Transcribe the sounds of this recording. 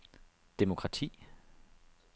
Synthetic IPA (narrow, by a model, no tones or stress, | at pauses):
d̥e̝mo̝kʰʁɑ̈t͡sʰḭː